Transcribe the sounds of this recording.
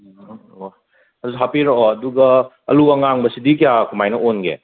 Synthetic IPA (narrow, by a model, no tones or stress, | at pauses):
ɐdusiɦapiɾooɐduɡɐ | ɐ̰luɐŋaŋbɐsidik̬ijakumajnɐʔonɡḛ